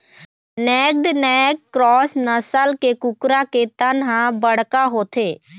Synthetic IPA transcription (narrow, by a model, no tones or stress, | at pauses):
nɛːk̚ɖnɛːkkɾɔːsnəsəlkeːkʊkɾaːkeːt̪ãːnɦãːbəɽkaːɦoːt̪ʰeː